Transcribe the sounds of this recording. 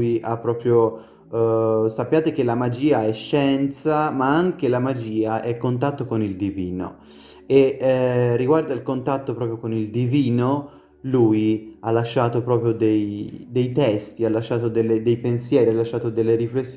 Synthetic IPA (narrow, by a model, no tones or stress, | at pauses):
iʔapːɾɔːpɾjo | sapːjaːt̪ek̟elamad͡ʒiːaɛʃːɛnt̪samaaŋkelamad͡ʒiːaʔɛkːont̪at̪ːokonild̪iviːno̰ | e | rːiɡward̪ailkont̪at̪ːopɾɔːpɾjokonild̪iviːno | luːjalːaʃːaːt̪opɾɔːpɾjod̪ejd̪ejt̪ɛst̪ialːaʃːaːt̪od̪elːed̪ejpensjɛːɾialːaʃːaːt̪od̪elːeɾiflesː